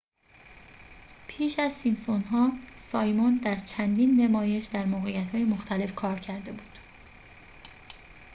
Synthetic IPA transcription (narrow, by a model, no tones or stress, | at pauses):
pʰiːʃæzsimsonɦɒːsɒːjmond̪æɾt͡ʃʰænd̪iːnːe̞mɒːje̞ʃd̪æɾmoːɣejæt̪hɒːje̞moxt̪ʰæle̞fkʰɒːɾcʰæɾd̪e̞buːd̪̥